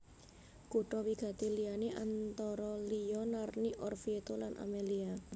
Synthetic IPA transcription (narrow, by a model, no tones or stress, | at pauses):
kuʈɔwiɡ̥ä̤t̪elijaneʔant̪ɔɾɔlijɔnarniʔɔrfiet̪olanʔa̰melia